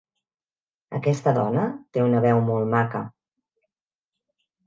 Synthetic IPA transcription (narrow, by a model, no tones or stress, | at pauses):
ə̰kɛst̪əðɔnət̪eunəβɛwmolˠmakə